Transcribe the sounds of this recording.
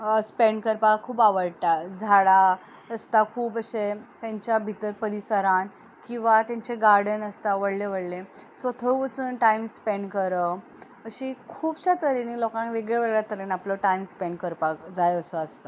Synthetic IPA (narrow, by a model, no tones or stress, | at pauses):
əspeɳɖkəɾpakʰuːpaʋəɽt̪ad͡zʱaɭa | əst̪akʰuːpəɕet̪jaɲt͡ɕjabʱit̪əɾpəɾisəɾan | kĩw̃ʋat̪jaɲt͡ɕeɡaɾɽənəst̪aʋəɽleʋəɽlesʋət̪ʰəwʋət͡suːnʈajmspeɳɖkəɾə | əɕikʰuːbɕat̪əɾinilɔkãŋkʋeɡɭeʋəɡɭjat̪əɾənaplɔʈajmspeɳɖkəɾpakd͡zajəsoast̪ə